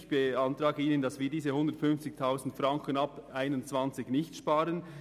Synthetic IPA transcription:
çb̥əɑntʁaːɡəiːnəndɑsv̥iːdiːzəhʊndətfʏnft͡sɪk̚tʰaʊzn̩tfʁɑŋkənɑpaɪnʊnt͡sv̥ɑnt͡sɪçnɪçtʃpaːɾən

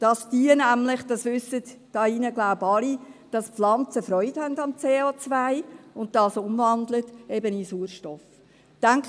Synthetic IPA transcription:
d̥ɑsd̥iənæmlɪχd̥ɑsʋʏsətd̥ɑːinəɡlaʊbɑlid̥ɑspflɑnt͡səfɾɔʏthɛndɑmt͡seːot͡svaɪʊnt̚tɑsʊmvɑndlətɛbənisuːɾʃtɔf | tæŋk

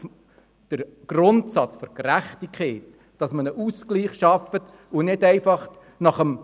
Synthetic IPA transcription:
d̥əɾɡ̥rʊntsɑt͡sfɔɾkɾæχtikʰχɛːt | d̥ɑsmənəʔuskliːχʃɑfət | unɪdæɪfɑχ | nɑχəm

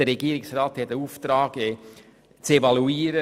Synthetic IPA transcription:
əɾɛɡiːəɾɪksraːt̪hɛtəuːft̪ɾɑːɡ̥ɛ | t͡sevɑluiːɾə

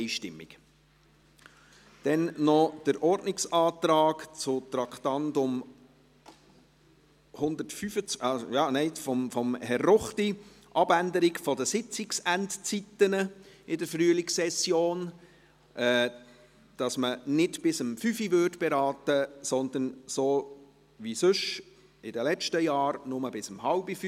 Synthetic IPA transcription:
ɪʃtɪmːɪ̰k | d̥ɛnnɔd̥əɾʔɔrdnɪksɑːt̪ɾɑːkt͡sʊt̪ɾɑkt̪ɑntʊm | hʊnd̪ətfyfət͡sɑsjɑːnɛɪfɔmfɔmhɛrːɔχti | ʔɑbænd̪əɾɪkfɔdəsɪt͡sɪksæntt͡sitːənəɪdəɾfryəlɪksɛsjoːn | ʔɛː | d̥ɑsmənɪdb̥ɪsəmfyfivʏrtb̥ɛɾɑːtəsɔnd̪ənsoː | ʋisʏʃ | ɪdəlɛt͡ʃtəjɑːɾnʊməbɪsəmhɑlbif

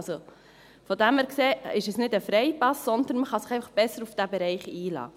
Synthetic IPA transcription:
so | fodæmæɾkseːɪʃɛsnɪdəfɾɛɪpɑsːɔnd̪ənməχɑsɪ̥χɛɪfɑχb̥ɛsəɾufd̥æbɛɾɛɪχiːlɑ̰ː

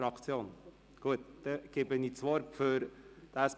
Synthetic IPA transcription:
ɾɑkt͡sjoːn | ɡ̥uət̪d̥̪ɛɡ̥eːbəniːt͡sʋoɾføɾd̥æːs

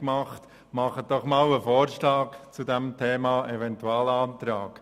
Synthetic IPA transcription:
kmɑχt | mɑχət̚d̥ɔχmɑːwəfoːɾʃlɑːkt͡sudɛmtʰeːmɑːʔɛvɛntuɑːlɑːnt̪ɾɑːk

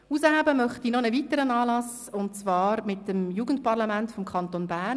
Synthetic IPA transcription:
uːsəɦabəmœχtinɔnəvitəɾənɑːlɑs | ʊnt͡svɑːɾmɪtəmjuːɡ̥ən̩t̚pɑʁlamæntfɔmkʰχɑnt̪onbæːn

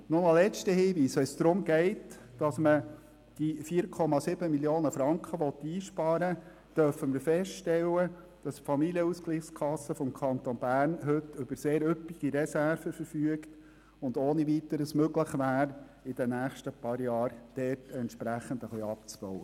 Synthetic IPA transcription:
nʊnɑlɛt͡ʃtəhiːʋiːsɛsd̥̪ɾʊmɡɛɪtd̥ɑsmə | d̥ifiːəɾkʰɔmɑsɪb̥əmiljoːnəfɾɑŋkχəʋɔt̪ːiːʃpɑːɾə | d̥œɾfəməɾfɛsʃtɛlːə | d̥ɑspfɑmiliəuskliːχskʰɑsːəfɔmkʰɑnt̪ɔnbæːɾnɦɵtʏb̥əɾseːɾʏpːiɡ̥iɾɛsæɾfəfəɾfyəkt | ʊnd̪oːniʋit̪əɾəsmøɡləχʋæːɾ | ɪd̥ənæːχʃtəpɑɾjɑːɾd̥ɛrtɛntʃpɾæχːənd̪əχliɑpt͡sb̥ɔwə

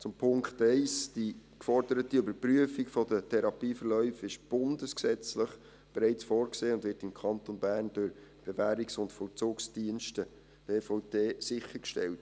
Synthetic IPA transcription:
t͡sʊmpʰʊŋkχtɛɪsd̥ikfɔɾdəɾətiøbəɾpryəfikfɔdətʰɛɾɑpiːfəɾlœʏfɪʃb̥ʊndəsksɛt͡sləχ | b̥eɾɛɪt͡sfɔːɾkseːʊndʋɪrtɪmkʰɑntonbæːɾnd̥ʊɾb̥evæːɾiksʊntfɔlt͡suːksd̥iənʃtə | b̥eːfɔʊdeːsɪχəɾkʃtɛ̰lt

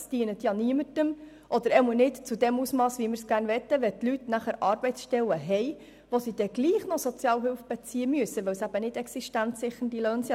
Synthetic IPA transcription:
sd̥iənət̪jɑniəmətəm | ʔɔd̪əɾɛmɔnɪtt͡sud̪ɛmusmɑːsʋimɪɾsɡ̥æːrnʋɛt̪ːəʋɛt̪lytnæχəɾʔɑːɾb̥ɛɪtsʃtɛləɦɛɪ | ʋosid̥̪ɛɡ̥liːχnɔsɔt͡sjɑːlɦɪlfb̥ɛt͡siːəmyəsəʋɛwsæb̥ənɪdɛksiʃtænsɪχəndiløːnsjɑ

